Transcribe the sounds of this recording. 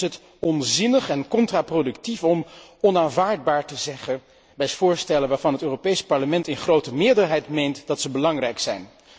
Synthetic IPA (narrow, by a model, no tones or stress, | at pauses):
ɦət | ɔnzɪnəχɛnkɔntraprodɵktifɔmɔnaːnvaːɹd̚baːɹtəzɛχə | bɛjtfʊːɹstɛlənʋaːɹv̥ɑnɦətøːropejspɑɹləmɛntɪnχrowtəmɪːɹdəɹɦɛjtmejntdɑtsəbəlɑŋrɛjksɛjn